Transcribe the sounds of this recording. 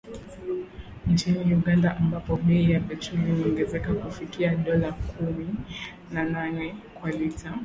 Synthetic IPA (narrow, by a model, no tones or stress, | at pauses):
nt͡ʃiniuɠandaʔambapɔmɛijapɛt͡ʃulihuɔŋɡɛzɛkakufikiaɗɔlakʰumi | nananɛkwalita